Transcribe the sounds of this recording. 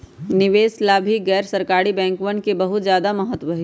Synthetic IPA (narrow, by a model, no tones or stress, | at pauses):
nɪʋeːslaːbʱiɡɛːɾsɐɾkaːɽibɛ̃ːŋkʋəɳkebɐɦʊt̪zjaːd̪amɐɦət̪ʋəɦe